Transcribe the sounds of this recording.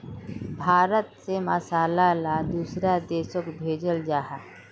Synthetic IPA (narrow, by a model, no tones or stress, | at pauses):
bʱaːɾət̪seməsaːlalad̪uːsɾad̪eːʃəkbʱeːd͡ʒəld͡ʒaːɦa